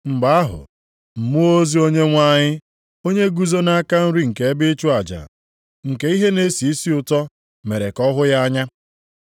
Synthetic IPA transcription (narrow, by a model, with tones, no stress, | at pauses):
ŋ͡m̩˨ɡ͡ba˨˦a˦ɦʊ̰˨ | m̩˨mu˦o˦zi˦o˦ɲe˦ŋʷa˦ɲɪ˦ | o˦ɲe˦ɡu˦zo˦na˦ka˦n̩˦ɾi˦ŋ̩˨ke˨e˦bɪ˦t͡ʃu˦a˨d͡ʒa̰˨ | ŋ̩˨ke˦i˦ɦe˦ne˦si˨i˦si˦ʊ˦˨tɔ˦ | me˨ɾe˨kɔ˦ɦʊ˦ja˦a˦ɲa˦